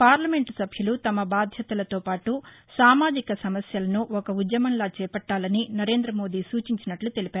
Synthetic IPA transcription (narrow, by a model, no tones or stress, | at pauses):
paːɾlɐme̞ɳʈsɐbʱjɐlut̪ɐmɐbaːd̪ʱjɐt̪ɐlɐt̪o̞ːpaːʈusaːmaːd͡ʒikɐsɐmɐsjɐlɐnuʔɔkɐud̪jɐmɐnlaːt͡ʃɛːpɐʈːaːlɐninɐɾe̞ːnd̪ɾɐmoːd̪iːsuːt͡ʃiɲt͡ʃinɐʈlut̪e̞lipaːɾu